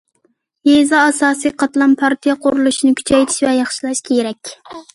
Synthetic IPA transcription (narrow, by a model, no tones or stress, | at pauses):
jezɑːsɑːsɨjqʰɑt̪lˠɑnpʰɑɾt̪ʰijɑqʰʊɾulˠuʃinɪkʲʰy̥t͡ʃʰɛjt̪ʰi̥ʃvɛjɑχʃilˠɛʃkʲejeɾɛkʲ